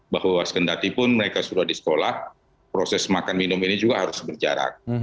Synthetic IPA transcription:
bahwaskəndat̪ipʊnməɾekasudahdisə̥kolah | pɾosɛsmakanminʊminid͡ʒuɡaɦaɾʊsbərd͡ʒa̰ɾa̰k̚

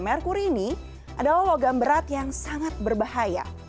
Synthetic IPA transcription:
mɛrkuɾiːni | ʔadalahwaɡambəɾat̪jaŋsaŋat̪̚bərbahaja̰

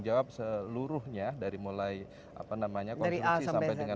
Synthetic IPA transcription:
d͡ʒawap̚səluɾʊhɲadaɾimulaj | ʔa̰panamaɲakdɔaɾiaisasampajdəŋa

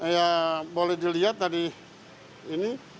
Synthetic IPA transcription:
jabolɛhdiliɦat̪̚ːadiː | ni

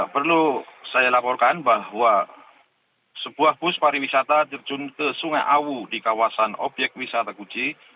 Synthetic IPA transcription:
pərlusajalapɔrkanbaɦwa | səb̥uahpʊspaɾiwisat̪at̪ərt͡ʃunt̪əsuŋaʔawudikawasano̰bjɛk̚t̪̚wisat̪akut͡ʃi

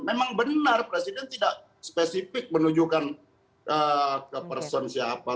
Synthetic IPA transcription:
memaŋbənarpɾesidɛnt̪idaʔ | spesifɪk̚mənud͡ʒukan | ʔəkəpərsɔnsiapa

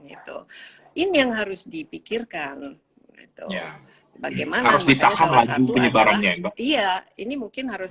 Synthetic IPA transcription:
ɡḭt̪ṵ | ʔɪnjaŋɦaɾʊsdipikɪrkan | ɡḭt̪ṵja | baɡajmanhaaɾʊsdit̪ahanlad͡ʒupəɲəbaɾanɲaibaijainimuŋkɪnɦaɾʊs

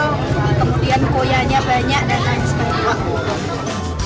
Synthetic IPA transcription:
kəmudiankojaɲabaɲaʔdananskaiwak̚butʊ

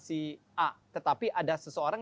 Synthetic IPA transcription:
si | at̪ət̪apiʔadasəsəoɾaŋ

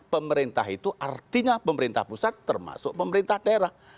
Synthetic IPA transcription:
pəməɾint̪aɦit̪uʔart̪iɲapəməɾint̪a̰hpusat̪ːərma̰sʊk̚pəməɾint̪ahd̥aɾah

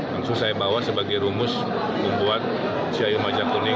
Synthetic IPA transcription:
laŋsuŋsajabawasəbaɡajɾumʊs | mumbuat̪̚ | siajumad͡ʒakunɪ

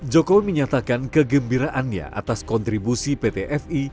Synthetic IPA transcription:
d͡ʒɔkowiməɲat̪akankəɡəmbiɾaʔanɲa̰ʔa̰t̪askɔnt̪ɾibusipet̪eʔɛfi

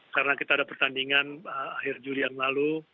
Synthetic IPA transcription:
kaɾənakit̪aːdapərt̪andiŋanəahɪrd͡ʒulijaŋlalu

